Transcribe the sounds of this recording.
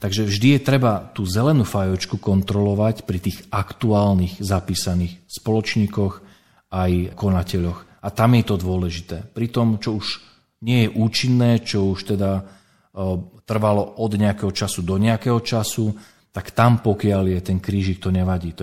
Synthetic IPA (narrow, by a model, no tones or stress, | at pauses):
t̪aɡʒɛvʒd̪ijɛt̪ɾɛbat̪uːzɛlɛnuːfajɔt͡ʃkukɔnt̪ɾɔlɔʋacpɾit̪iːɣakt̪uaːlnixzapiːsaniːxspɔlɔt͡ʃɲiːkɔx | ajkɔnacɛʎɔx | at̪amjɛt̪ɔd̪ʊɔlɛʒit̪ɛːpɾit̪ɔmt͡ʃɔuʃ | ɲɪɛjɛʔuːt͡ʃinːɛːt͡ʃɔuʃt̪ɛd̪a | t̪r̩ʋalɔʔɔd̪ɲɛakɛːɦɔt͡ʃasud̪ɔɲɛakɛːɦɔt͡ʃasu | t̪akt̪ampɔkɪaljɛt̪ɛnkɾiːʒik̚t̪ɔɲɛʋaɟiːt̪